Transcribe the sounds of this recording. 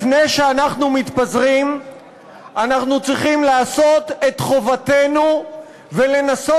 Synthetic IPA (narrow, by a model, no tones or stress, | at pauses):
fnejʃeanaχnumit̪pazʁim | anaχnut͡sʁiχimlaːso̞t̪e̞t̪χo̞vat̪e̞nu | ve̞le̞naso